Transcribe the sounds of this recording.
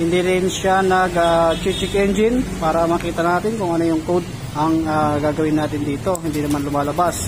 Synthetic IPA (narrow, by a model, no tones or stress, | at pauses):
hɪnd̪iɾɪnʃanɐɡat͡ʃit͡ʃɪkʔɛnd͡ʒɪnpaːɾɐmaːkiːt̪ɐnaːt̪ɪnkʊŋʔɐnojʊŋkowd̪̚ | ʔɐŋaɡaːɡɐwɪnaːt̪ɪnd̪iːt̪o̞hɪnd̪iːnɐmanlʊmaːlɐbas